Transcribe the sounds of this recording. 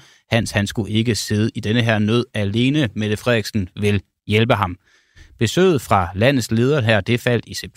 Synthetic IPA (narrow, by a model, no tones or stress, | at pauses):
hæn̰shænsɡ̥uʔe̝ɡ̥əse̝ð̞ˠəid̥enəɦeɐ̰nøð̰ˠæle̝ːnəmeðˠəfʁɛð̰ˠeɡ̥sn̩ʋe̝l | jelb̥əɦɑ̈m | b̥e̝sø̰ːð̞̩ˠfʁɑ̈læn̰ð̩ˠsle̝ːð̞ˠɐɦæɐ̰d̥e̝fæl̰d̥iseb̥̚ʰ